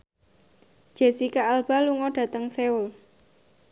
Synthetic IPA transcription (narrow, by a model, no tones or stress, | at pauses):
ʒ̥e̤sikaːlb̥a̤luŋɔɖ̥ä̤t̪əŋseʊl